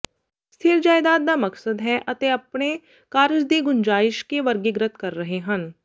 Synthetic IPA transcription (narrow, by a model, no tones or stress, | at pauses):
st̪ʰɪɾd͡ʒaːɪd̪aːd̪̚ːamɐksəd̪ɦɛʔɐt̪eɐpɳe | kaːɾɪd͡ʒd̪eːɡʊnd͡ʒaːɪʃkeʋɐɾɡɪɡɾət̪̚ʰkɐɾːɐɦeɦɐn